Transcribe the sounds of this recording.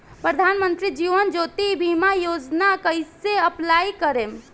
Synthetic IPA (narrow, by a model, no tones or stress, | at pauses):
pɾəd̪ʱanmənt̪ɾid͡ʒiʋənd͡ʒot̪ibʱimajod͡ʒnakəjseəplaikəɾem